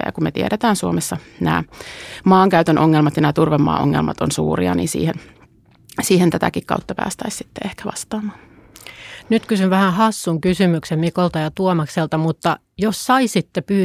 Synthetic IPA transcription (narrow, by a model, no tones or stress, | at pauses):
æ̰jɑ̰kummet̪ieɾet̪æːnsuomesːɑnæ̰ːmɑːŋkæyt̪ønʔoŋːelmɑt̪jɑnæːt̪urʋemːɑ̰ːʔo̰ŋːḛlmɑ̰t̪onsṵːriɑ̰nḭːnsḭːhen | siːhent̪æt̪ækikkɑ̰ut̪ːɑpæ̰ːst̪æissi̥t̪ːeehkæʋɑst̪ɑːmɑːn | nyt̪kysynʋæhæhɑsːuŋkysymyksemmikolt̪ɑjɑt̪uomɑkselt̪ɑmut̪ːɑ | jossɑisit̪ːepyː